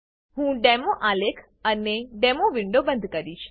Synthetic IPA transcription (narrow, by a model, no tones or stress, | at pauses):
ɦũɖemoʔalekʰ | əneɖemoʋiɳɖobənd̪ʱkəɾit͡ʃʰ